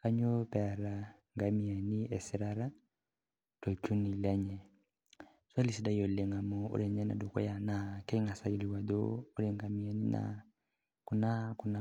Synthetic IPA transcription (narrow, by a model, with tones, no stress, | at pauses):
ka˦ɲo˦pɛ˨ɾa˨ŋɡa˨mi˨a˨ni˦ɛ˨si˨ɾa˦ɾa˦ | tɔ˨t͡ʃu˦ni˨lɛ˦ɲɛ˨ | sa˦li˨si˨˦da˦jo˨le˨ŋa˨mo˦o̰˦ɾe˨ɲɛ˦na̰˨do˨kɔ̰˦ja˨na˨kɛ˦i˦ŋa˨sa˦ji˨li˨wa˨d̪o̰ː˦ɾe˨ŋɡa˨mi˨a˨ni˦na̰ | ku˨na˦ku˨˦na˨